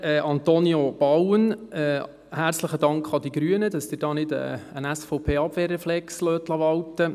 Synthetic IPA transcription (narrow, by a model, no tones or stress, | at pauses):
ɛʔɑnt̪onjob̥ɑwənɛː | hæɾt͡sləχədɑŋkχɑd̪iɡɾyənədɑsd̥̪ɪːɾd̥ɑːnɪdə̰ənæsfoʊpʰeːɑbʋeːɾɛflɛksløːt̪lɑʋɑwtə